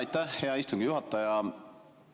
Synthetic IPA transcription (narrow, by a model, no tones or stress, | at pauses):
jt̪ːæhhe̞ɑist̪uŋɡ̥ijuɦɑt̪ːˑɑjɑ